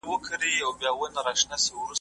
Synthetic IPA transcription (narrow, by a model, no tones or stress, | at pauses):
wəkʰəɾiawbjɑwənaɾaʂnasewɾu